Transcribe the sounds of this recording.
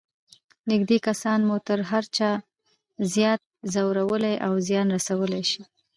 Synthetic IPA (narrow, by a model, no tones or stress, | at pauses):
nɪɡd̪ekasɑnmut̪əɾɦaɾt͡ʃɑ | zjɑt̪̚zawɾawəlajʔawzjɑnɾasawəlajʃi